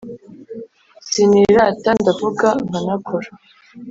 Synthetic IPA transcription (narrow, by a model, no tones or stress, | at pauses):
siniɾatandavuɡaŋɡanakʰoɾa